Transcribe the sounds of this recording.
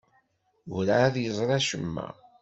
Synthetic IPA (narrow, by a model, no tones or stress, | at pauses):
uɾaðjəzˤɾˤɑʃəmːæ̰